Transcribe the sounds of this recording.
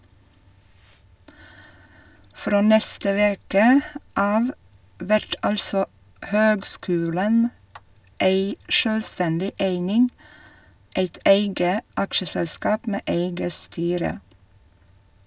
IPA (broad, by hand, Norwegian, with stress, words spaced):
ˈfɾoː ˈnɛstə ˈʋeːkə ˈɑːʋ ˈʋæɾt ˈɑlsɔ ˈhøːɡˌskʉːlən ˈeɪ ˈʃøːlˌstɛndɪ ˈæɪnɪŋ ˈeɪt ˈeɪɡə ˈɑkʃəsɛlˌskɑːp ˈmeː ˈæɪɡə ˈstyːɾə